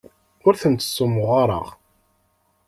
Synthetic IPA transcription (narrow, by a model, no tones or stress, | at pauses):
ʊɾθənt̪ə̥sːʊmʊʁaɾˤə̰ʁ